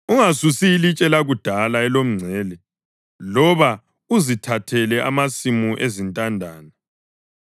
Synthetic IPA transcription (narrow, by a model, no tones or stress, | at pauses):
uŋasusiːlit͡ʃʼɛlaɣud̥ʱalaɛlom̩ŋ͡ǀʱɛːlɛ | lɔβa | uzitʰatʰɛlɛʔa̰masimuʔezintʼandʱaːna